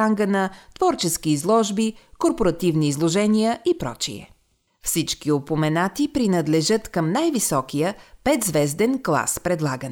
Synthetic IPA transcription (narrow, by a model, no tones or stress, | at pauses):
aŋɡənət̪v̥ɔɾt͡ʃɛskiːzlˠɔʒbikoɾpoɾɐt̪ivniːzlˠoʒɛnijəʔipɾɔ̰t͡ʃḭɛ̰ | fsit͡ʃkiopomɛnat̪ipɾinəd̪lɛʒɤt̪kəmnajvisɔkijəpɛt̪zvɛzd̪ɛnklˠa̰spɾɛd̪lˠaɡənɛ